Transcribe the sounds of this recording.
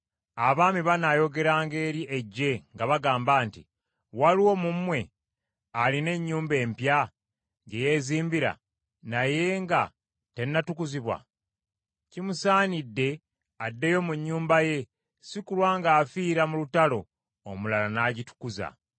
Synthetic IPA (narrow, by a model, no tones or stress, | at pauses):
aβaːmiβanajo̞ɡe̞ɾaːŋɡe̞ːɾiʔeɟːe̞ŋɡaβaɡaːmbaːnti | waliwo̞mumwe̞ | aline̞ɲːuːmbe̞ːmpja | ŋɡeje̞ːziːmbiɾa̰ | naje̞ŋɡa | te̞nːatukuziβwa̰ | cimusaːnidːe̞ | adːe̞jo̞muɲːuːmbaje̞ | sikulwaːŋɡaːfiːɾamulutalo̞̰ | omulalanaːɟitu̥kuza̰